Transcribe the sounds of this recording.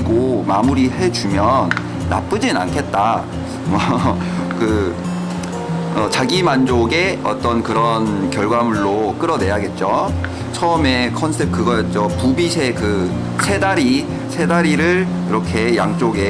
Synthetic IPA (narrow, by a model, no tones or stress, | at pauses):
ɡomamuɾiɦe̞d͡ʑumjʌnː | a̰p͈ɯd͡ʑina̰nkʰe̞t̚t͈a | mʌ | kɯ | ʌt͡ɕaɡimand͡ʑoɡe̞ʌt͈ʌnkɯɾʌnkjʌɭɡwamɯɭːok͈ɯɾʌne̞jɦaɡe̞t̚t͡ɕ͈o | t͡ɕʰʌme̞kʰʌnsʰe̞p̚kɯɡʌjʌt̚t͡ɕ͈opubisʰe̞kɯ | sʰe̞daɾi | sʰe̞daɾiɾɯɾ | iɾʌkʰe̞ja̰ŋt͡ɕ͈oɡe